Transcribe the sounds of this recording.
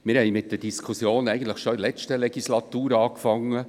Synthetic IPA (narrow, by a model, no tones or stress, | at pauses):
mɪɾhɛɪmɪt̚d̥̪əd̥iskʰusjoːnɛɪɡən̩t̪ləχʃɔɪlɛt͡ʃtəlɛɡislɑt̪uːɾɑːkfɑŋːə